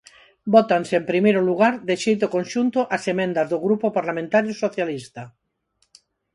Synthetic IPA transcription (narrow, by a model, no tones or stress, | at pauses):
bɔt̪anseempɾimejɾoluɣ̞aɾd̪eʃejt̪okõnʃunt̪oʔasemẽnd̪azðoɣɾupopaɾlamẽnt̪aɾjosoθjalist̪a